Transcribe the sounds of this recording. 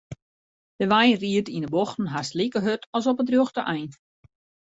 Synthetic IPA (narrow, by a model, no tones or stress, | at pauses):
d̥əʋajnriətinəboxtn̩ɦastlikəɦøtʰɔs̬ɔpədrjoxtəʔɛjn